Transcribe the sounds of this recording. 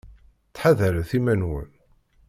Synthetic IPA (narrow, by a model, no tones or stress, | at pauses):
t͡sːħaðæɾæθimænwə̰n